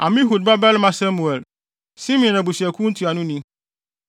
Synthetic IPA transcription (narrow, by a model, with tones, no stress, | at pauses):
ã˨mĩ˦ɦu˨d̚ba˦bɛ˦lmã˦sa˦mũ˨ɛ˨l | si˦mɔ̃˨na˨bu˨si˨æ˨kʰũ˦n̩˦tʰu˨a˨nʊ̃˦nĩ˦